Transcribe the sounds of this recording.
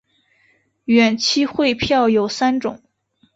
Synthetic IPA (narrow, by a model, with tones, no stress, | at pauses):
ɥɛ˨˩nt͡ɕʰi˥xwe˥˧ɪpʰjɑ˥˩ʊjo˨˩ʊsa˥nʈ͡ʂʊ˨˩˦ŋ